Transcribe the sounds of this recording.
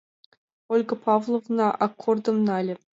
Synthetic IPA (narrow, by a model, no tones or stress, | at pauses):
olʲɡɤ̆pɑvlˠovnɑʔɑkʰːord̪ɤ̆mnɑlʲɘ̆